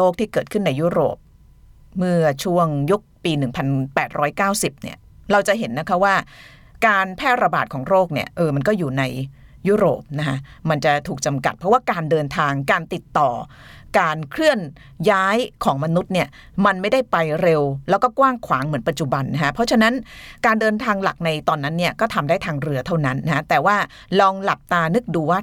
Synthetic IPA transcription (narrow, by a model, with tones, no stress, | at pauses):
loː˥˩k̚t̪ʰiː˥˩kɤː˨˩t̪̚kʰɯ˥˩nːa˧juː˦˥ɾo̰ː˨˩p̚ | mɯ˥˩ɐt͡ɕʰu˥˩əŋju˦˥k̚piː˧nɯ˨˩ŋpʰa˧npɛː˨˩t̪̚ɾʔɔː˦˥jkaː˥˩wsi˨˩p̚nḭ˥˩ɐ | ɾa˧wt͡ɕa˨˩ʔɦe˩˦nːa˦˥kʰa˦˥waː˥˩ | kaː˧npʰɛː˥˩t̪̚ɾa˧baː˨˩t̪̚kʰɔː˩˦ŋɾoː˥˩k̚nḭ˥˩ɐʔɤː˧ma˧nkɔː˥˩juː˨˩na˧j | juː˦˥ɾo̰ː˨˩p̚na˦˥kʰa˦˥ʔma˧nt͡ɕa˨˩t̪ʰuː˨˩k̚t͡ɕa˧mka˨˩t̪̚pʰɾɔ˦˥waː˥˩kaː˧ndɤː˧nt̪ʰaː˧ŋkaː˧nt̪i˨˩t̪ːɔː˨˩ | kaː˧nkʰɾɯ˥˩ən | jaː˦˥jkʰɔː˩˦ŋma˧nu˦˥t̪̚ni˥˩ə | ma˧nma˥˩jda˥˩jpa˧jɾe˧wlɛː˦˥wkɔː˥˩kwaː˥˩ŋkʰwa̰ː˩˦ŋmɯ˩˦ənpa˨˩t̪̚t͡ɕu˨˩ba˧nːa˦˥kʰa˦˥pʰɾɔ˦˥t͡ɕʰa˧na˦˥nkaː˧ndɤː˧nt̪ʰaː˧ŋla̰˨˩k̚na˧jt̪ɔː˧nːa˦˥nːi˥˩ɐkɔː˥˩t̪ʰa˧mdaː˥˩jt̪ʰaː˧ŋɾɯ˧ɐt̪ʰa˥˩wna˦˥nːa˦˥kʰa˦˥t̪ɛː˨˩waː˥˩ | lɔː˧ŋla˨˩p̚t̪aː˧nɯ˦˥k̚duː˧waː˥˩